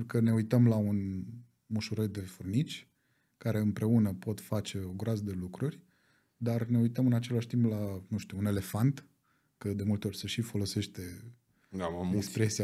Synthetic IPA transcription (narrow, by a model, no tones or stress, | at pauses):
ukəne̞ujt̪əmlaun | muʃuɾəd̪e̞furnit͡ʃʲ | kaɾe̞ɨmpɾe̞unəpo̞t̪fat͡ʃe̞oɡɾazəd̪e̞lukɾurʲ | d̪arne̞ujt̪əmɨnat͡ʃe̞laʃt̪implanũʃt̪uune̞le̞fant̪ | kəd̪e̞mult̪e̞o̞rʲseʃifo̞lo̞se̞ʃt̪e̞ | d̪aekspɾesia